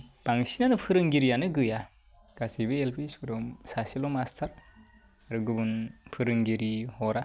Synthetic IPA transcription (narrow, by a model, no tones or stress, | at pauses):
b̥aŋsinanɯpʰɯɾɯŋɡiɾijanɯɡɯja | ɡ̥asibɯelpʰiskɯɾɔmsasilɔmastʰaɾ | aɾɯɡɯbɯnpʰɯɾɯŋɡiɾihɔɾa